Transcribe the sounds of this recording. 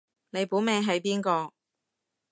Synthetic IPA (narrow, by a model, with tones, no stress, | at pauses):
ne˨˧jpuː˨˥mɛː˨˧ŋɦɐ˨˥jpiː˥nkɔː˧